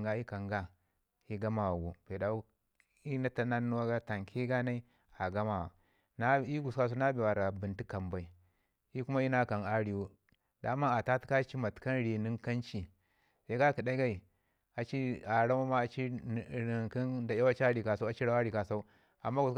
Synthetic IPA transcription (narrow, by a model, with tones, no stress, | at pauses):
ɡa˦i˦ka˨ŋɡa˦ | i˦ɡa˦ma˨wa˨ɡu˨pe˨da˨u˦ | i˦na˦ta˦na˦nːu˦wa˦ɡa˦ta˨ŋkʰi˦ɡa˦na˦i˦ | a˨ɡa˦ma˨wa̰˨ | na˦i˦ɡu˨ska˦s̬u˦na˦bi˨wa˨ɾa˨bi˨nti˦ka˨mba˨i˨ | i˦ku˦ma˦i˦na˦ka˨na˦ɾi˨wu˦ | da˨˦ma˦a˨ta˦tka˦t͡ʃi˦ma˨tka˦nɾi˨ni˦ka˦nt͡ʃi˨ | sa˦ka˦ki˨ɗa˦ɡa˦i˨ | a˨t͡ʃi˦a˨ɾa˦ma˦ma˦a˨t͡ʃi˦˨i˨ki˦nda˨ja˦wa˦t͡ʃa˦ɾi˨ka˨sa˦a˨˦t͡ʃi˦ɾa˦a˦ɾi˨ka˨sa˦u˦ | a̰˨mːa˦ɡu˨s